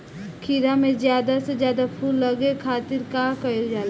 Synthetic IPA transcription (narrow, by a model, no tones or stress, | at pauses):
kʰiɾamẽzjaːd̪ased͡ʒjaːd̪apʰuːlːɐɡekʰaːt̪ɪɾkaːkɐod͡ʒaːl